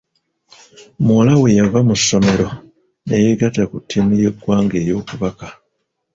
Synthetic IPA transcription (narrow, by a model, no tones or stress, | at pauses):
mwolawe̞javamusːo̞me̞ɾo̞ | nejeɡatakutʰːinuje̞ɡwaːŋɡeːjo̞ːkuβaka